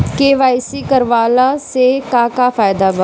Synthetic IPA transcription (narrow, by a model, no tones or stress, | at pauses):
keːʋaːisiːkəɾʋaːlaːseːkaːkaːfʰaːjd̪aːbə